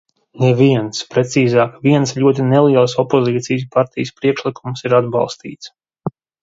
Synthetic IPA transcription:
nɛviɛnspɾet̪siːzaːkviɛnsʎʲuɔt̪̬inɛlˠiɛlˠsɔpoziːt̪sijs̬paɾt̪ijəspɾiɛkʃlikumsiɾad̪bɑ̰lˠst̪ḭːt̪s

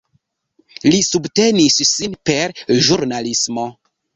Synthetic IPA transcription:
lisubte̞nissinpe̞ɾʒuɾnalismo̞

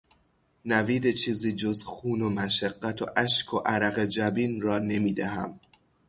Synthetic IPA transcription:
næviːd̪e̞t͡ʃʰiːziːd͡ʒo̞zxuːnomæʃæɢːæt̪ʰo̞̰ʔæʃkʰoʔæɾæɣed͡ʒæbiːnrɒːne̞miːd̪æɦæ̰m

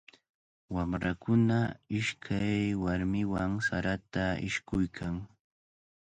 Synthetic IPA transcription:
wamɾakʊnaɪʃkʰajwaɾmɪwaŋsaɾat̪aɪ̰ʃkʊjkʰaŋ

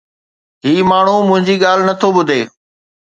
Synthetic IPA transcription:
ɦiːmaːɳ̤umʊ̃ɦɪ̃ɲd͡ʑiːɠaːl̤nɐt̪ʰobʊd̪ʱeː

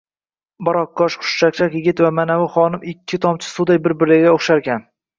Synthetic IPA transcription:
bɒɾɒqːɒʃχʊ̥ʃt͡ʃak̚ʲt͡ʃʰakʲjɪɡʲɪt̪vamanavʊχɒnɪmɪkʲʰːɪt̪ʰɒmt͡ʃʰɪ̥sʊd̪ajbɪɾbɪɾɪɡʲaoχʃaɾɡʲan

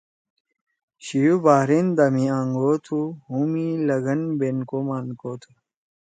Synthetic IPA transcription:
ɕijubaːɾind̪ɐmiãŋɡoːt̪ʰuɦumilɐɡɐnbenkomaːnkoːt̪ʰu

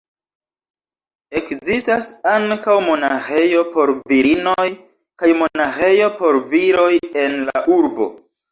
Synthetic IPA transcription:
e̞kzistasaŋkawmo̞naxe̞jo̞po̞ɾviɾino̞j | kajmo̞naxe̞jo̞po̞ɾviɾo̞je̞nla̰ʔuɾbo̞̰

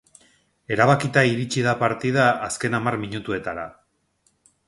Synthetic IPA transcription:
e̞ɾaβakit̪aiɾit͡ʃiðapaɾt̪ið̞aːske̞namarmiɲut̪ue̞t̪aɾa

